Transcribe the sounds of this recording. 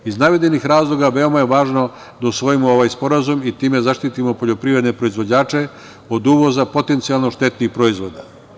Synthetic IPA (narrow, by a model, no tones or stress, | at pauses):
iznaʋed̪enixɾaːzlˠoɡaʋe̞o̞majeʋaːʒno̞ | d̪ausʋo̞jimooʋaːjspo̞ɾazumit̪iːme̞zaʃt̪it̪imo̞po̞ʎo̞pɾiːɾe̞d̪nepɾo̞izʋo̞d͡ʑaːt͡ʃe̞ | od̪uːʋo̞zapo̞t̪e̞nt̪sijalˠno̞ʃt̪e̞t̪nixpɾo̞izʋod̪a